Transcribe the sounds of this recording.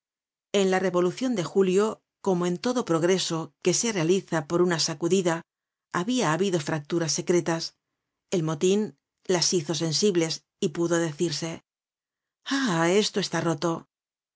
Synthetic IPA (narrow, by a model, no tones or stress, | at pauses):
e̞nlare̞βo̞luθjo̞nd̪e̞xuljo | ko̞moe̞nt̪o̞ðo̞pɾo̞ɣ̞ɾe̞so̞ke̞se̞re̞aliθapo̞ɾunasakuðiðaː | βiaːβiðo̞fɾak̚t̪uɾasːe̞kɾe̞t̪as | e̞lmo̞t̪in | lasiθo̞s̬e̞nsiβle̞s | ipuðo̞ðe̞θiɾse̞ | ae̞st̪o̞e̞st̪aro̞t̪o̞